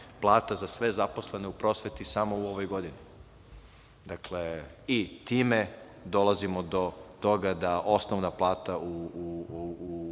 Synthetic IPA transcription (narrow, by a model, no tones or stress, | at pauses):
plˠaːt̪azasʋe̞zapo̞sle̞ne̞upɾo̞sʋet̪isamo̞uo̞ʋo̞jɡo̞d̪ini | d̪akleit̪iːme̞ | d̪o̞lˠazimo̞d̪o̞t̪o̞ɡad̪aʔo̞snoʋnaplˠaːt̪au